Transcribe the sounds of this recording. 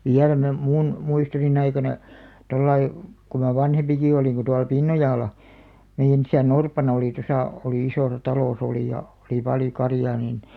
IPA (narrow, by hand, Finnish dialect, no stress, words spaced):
ʋiæl me mun muistonin ɑikɑnɑ tolːɑi ku mɑ ʋɑnhempiki oliˑŋ ku tuɑl pinːojɑˑlɑ meij̆æn isæn orpɑnɑ oli tosɑˑ oliˑ isoˑsɑ tɑlos oliˑ jɑ oli pɑljo kɑrjɑː niːn